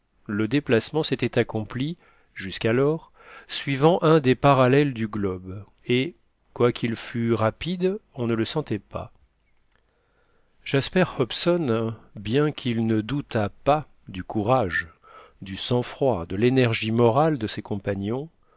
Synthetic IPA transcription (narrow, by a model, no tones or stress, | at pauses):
ləd̪eplasmɑ̃set̪ɛt̪akɔ̃pli | ʒyskalɔʁ | sɥivɑ̃ʔɛ̃d̪epaʁalɛld̪yɡlɔb | e | kwakʲʰilfyʁapid̪ɔ̃nələsɑ̃t̪ɛpa̰ | ʒ̥aspɛʁhɔpsɔnbjɛ̃kʰilnəd̪ut̪apa | d̪ykuʁaʒ | d̪ysɑ̃fχwad̪əlenɛʁʒimɔʁald̪əsekɔ̃paɲɔ̃